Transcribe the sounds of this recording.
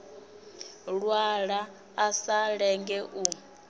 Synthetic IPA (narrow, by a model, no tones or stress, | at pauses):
ɺwaɺaː | saɺɛŋɡɛʔu